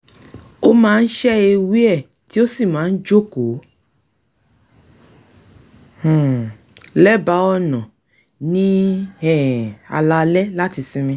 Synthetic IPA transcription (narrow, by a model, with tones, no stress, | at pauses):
o˦mãː˦˧n̩˦ʃɛ˦e˧wi˦ɛ˦˨ | ti˨˦o˦si˦˨mãː˨˦n̩˦d͡ʒo˦ko˨˦ | h̩˨ | lɛ˦ba˨˦ɔ˧˨nɔ̃˨ | nĩ˦ɛ̃˦˨a̰˧la˧lɛ˦la˦ti˨˧sĩ˧mĩ˧